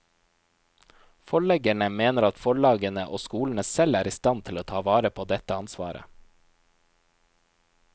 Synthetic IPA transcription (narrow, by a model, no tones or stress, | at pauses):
fɔɭɛɡæɳəmeːnəɾɑt̪fɔɭɑːɡənəʔo̰ːskuːln̩əsɛlæːɾiːst̪ɑnt̪ʰɪloːt̪ʰɑːʋɑːɾəpʰoːd̪ɛt̪əɑnsʋɑ̰ːɾə̰